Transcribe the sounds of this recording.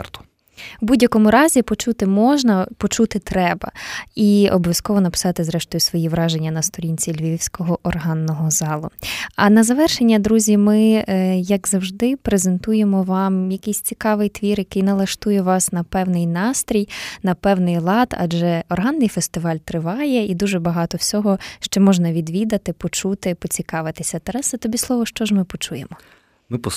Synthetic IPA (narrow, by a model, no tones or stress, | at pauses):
t̪ | ʋbudʲjɐkɔmʊɾɑzʲipɔt͡ʃut̪ɪmɔʒnɐpɔt͡ʃut̪ɪt̪ɾɛbɐ̰iɔ̰bɔʋʲjɐskɔʋɔnɐpɪ̥sɑt̪ɪzɾɛʃt̪ɔjʊsʋɔjiʋɾɑʒe̞nʲːɐnɐst̪ɔɾʲinʲt͡sʲilʲʋʲiwsʲkɔɦɔʔɔrɦɑnːɔɦɔzɑlˠʊɐnɐzɐʋɛrʃenʲːɐd̪ɾuzʲimɪjɐɡzɐwʒd̪ɪpɾezent̪ujemɔʋɑmjɐkɪjsʲt͡sʲikɑʋɪjt̪ʋʲirjɐkɪjnɐlˠɐʃt̪ujɛʋɑsnɐpɛwnɪjnɑst̪ɾʲijnɐpɛwnɪjlˠɑd̪ɐ̰d͡ʒɛɔrɦɑnːɪjfest̪ɪʋɑlʲt̪ɾɪʋɑjɛid̪uʒɛbɐɦɑt̪ɔwsʲɔɦɔʃt͡ʃɔmɔʒnɐʋʲid̪ʋʲid̪ɐt̪ɪpɔt͡ʃut̪ɪpɔt͡sʲikɑʋɪt̪ɪsʲɐt̪ɐɾɛsɐt̪ɔbʲislˠɔʋɔʃt͡ʃɔʒmɪpɔt͡ʃujemɔ | mɪpɔ